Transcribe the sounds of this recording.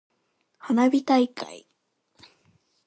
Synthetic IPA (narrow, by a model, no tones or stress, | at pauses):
hanabʲit̪aikʰa̰i